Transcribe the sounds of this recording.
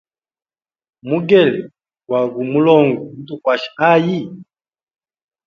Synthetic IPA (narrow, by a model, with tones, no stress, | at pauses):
mu˦ɡɛ˦˨lɛ˨ | ɡwa˨ɡu˨mu˦lɔ˦ŋɡu˨n̩˦tu˦˨kwa˨ʃi̥˨a˦ji˦˨